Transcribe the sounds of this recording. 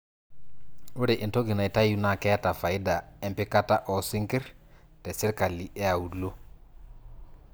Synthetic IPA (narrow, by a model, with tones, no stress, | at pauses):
u˦ɾe˨ʔi˨nto˦ɡi˨na˨i˨ta˦ju˦na˨kɛ˦a˦ta˨fa˨i˦da˨ɛ˦mpi˦ka˦ta˦ʔɔ˨si˦ŋki˦ɾ | tɛ˨si˦ɾka˨li˨ʔɛ˦a˨u˨lo˦